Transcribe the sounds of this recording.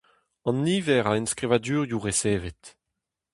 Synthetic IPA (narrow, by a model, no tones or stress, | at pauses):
ɑ̃nːiːvɛʁaenskʁivadyːʁjuʁeseːvet̪